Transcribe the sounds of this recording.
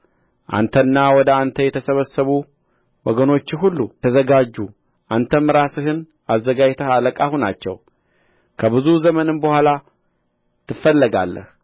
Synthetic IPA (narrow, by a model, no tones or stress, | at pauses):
ʔa̰nt̪ʰənːawɔd̪əant̪ʰəjɛt̪ʰəsəβəsːəβu | wɔɡəno̞t͡ʃːɪɦulːut̪ʰəzəɡad͡ʒːu | ʔant̪ʰəmɨɾasɨɦɨn | azːəɡajt̪ʰəhaləkʼahuna̰t͡ʃːɛw | kʰəβɨzuzəmənɨnbəhʷala | t̪ʰɨfːəlːəɡa̰lːə̰h